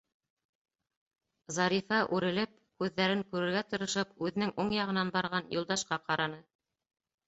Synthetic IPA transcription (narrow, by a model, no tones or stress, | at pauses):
zɑɾifɑʔʉɾɘ̆lɘp̚kʉðːæɾɘŋkʉɾɘ̆ɾɡæt̪ɤ̆ɾɤ̆ʃɤpʉðɘ̆nɘŋʔuɴjɑʁɤ̆nɑnbɑɾʁɑnjulˠd̪ɑʃqɑqɑɾɑnɤ